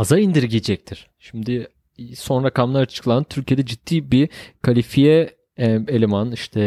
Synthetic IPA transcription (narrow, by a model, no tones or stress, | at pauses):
hazaind̪iɾiɟid͡ʒɛc̚t̪ʰiɾ̥ʃimd̪ɪ | so̞nɾakamlˠaɾat͡ʃʰɯ̥klˠant̪ʰyɾcʰijd̪ɛd͡ʒitd̪̥ʰːiːbikʰalʲifijɛ | elʲemaniʃt̪ʰɛ